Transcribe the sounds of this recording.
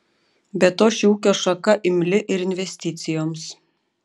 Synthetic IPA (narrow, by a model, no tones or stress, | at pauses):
bʲɛt̪oːʃʲɪuːkʲoːʃɐkɐʔɪmʲlʲɪʔɪɾɪnʲʋʲɛsʲt̪ʲɪt̪sʲɪjoːms